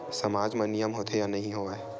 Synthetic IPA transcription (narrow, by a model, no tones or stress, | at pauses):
sɐmaːd͡ʒmɐnɪjəmɦoːt̪ʰejanɐɦĩɦoːae